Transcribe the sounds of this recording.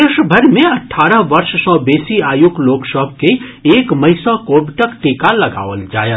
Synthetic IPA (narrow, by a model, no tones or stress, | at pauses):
ɪʃbʱɐɾmẽɐʈʰːaːɾəɦʋɐɾʃsɔ̃ːbeːsiaːjuɡloːksɔb̚ʱkeeːkmɐɪsãkoːbʈɐkt̪eːkalɐɡa̰ːʋəld͡ʒa̰ːja